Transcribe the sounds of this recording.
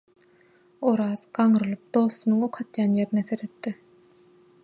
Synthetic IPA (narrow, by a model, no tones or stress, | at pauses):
oɾɑːz̥ɡɑŋɯɾɯlˠɯp̚d̪o̞ːθːunɯŋoqʰɑt̪jɑːnjeɾineθeɾet̪ːɪ